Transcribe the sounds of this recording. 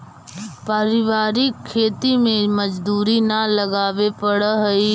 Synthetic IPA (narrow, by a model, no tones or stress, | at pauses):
paɾɪʋaːɾɪkʰːeːt̪imẽmɐd͡ʒd̪uːɾinalɐɡaːʋepɐɽɦɐi